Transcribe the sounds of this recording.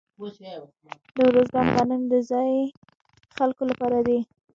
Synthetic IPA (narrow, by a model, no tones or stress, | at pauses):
d̪əwɾozɡɑnɣɑnənd̪əzɑj | xalkolapɑɾad̪i